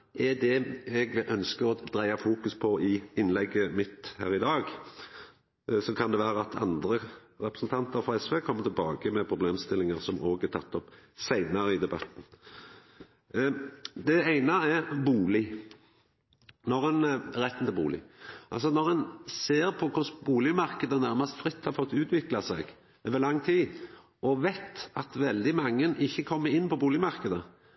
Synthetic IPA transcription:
ʔɛd̪ɛɛɡʔœnskəɾɔd̪̥ɾæɪɑfuːkʉspʰɔʔɪɪnːlɛɡːəmɪt̪hæ̰ːɾɪd̪ɑːɡ | sɔkʰɑnd̪ɛʋæːɾəɑt̪ʰɑ̰nd̪ɾə | ɾɛpɾəsn̩t̪ʰɑnt̪əɾfɑɛsʋeːkʰɔmːət̪ʰɪlbɑːɡəmɛpʰɾʊbleːmst̪ɪlːɪŋəɾsɔmʔoːɡæɾt̪ʰɑt̪ːɔpsæɪnɑɾəɪd̪ɛbɑt̪n̩ | d̪ɛæɪnɑɛbuːlɪ | nɔʁɛnɾɛt̪ːn̩t̪ʰɛbṵːlɪ̰ʔɑ̰ls̬ɔnɔʁɛnseːɾpʰɔkʰʊsbuːlɪmɑʁkəd̪ənæɾməst̪fɾɪt̪ːhɑɾfɔt̪ːʉːt̪ʋɪklɑsɛ̰ɡ | ʋəlɑŋːt̪ʰiː | ʔɔʋæɪt̪ɑt̪ʋɛld̪ɪmɑŋːənʔɪçːəkʰɔmːəɪnːpɔbuːlɪmɑʁkəd̪ə

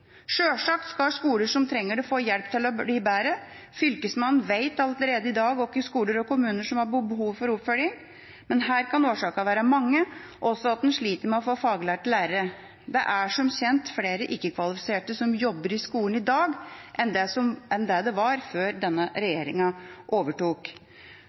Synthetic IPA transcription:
ʂøːʂɑːk̚t̪skɑʂkuːləʂɔmt̪ʰɾɛŋːəɖɛfoːjɛlpt̪ʰɪlɔbiːbæːɾə | fʏlkəsmɑnːn̩ʋeɪt̪ɑlələɾeːd̪əɪd̪ɑːɡɔkːɪskuːləɾɔkʰʊmʉːnəʂɔmhɑɾbbəɦuːʋfɔɾʊpfœljɪŋ | mɛnɦæːɾkʰɑnoːʂɑːkɑʋæːɾəmɑŋːəʔɔsːɔɑt̪̚d̪ɛnʂɭiːt̪əɾmɛɔfoːfɑːɡlæːʈɪlæːɾəɾə | d̪ɛʔæʂɔmçɛnt̪fleːɾəʔɪkːəkʰʋɑlɪfɪ̥seːʈəsɔmjɔbːəɾɪskuːlən̩ɪd̪ɑːɡʔɛnd̪ɛsɔmɛnd̪ɛd̪ɛʋɑɾføːɾd̪ɛnːəɾɛjeːɾɪ̰ŋɑʔoːʋəʈuːk

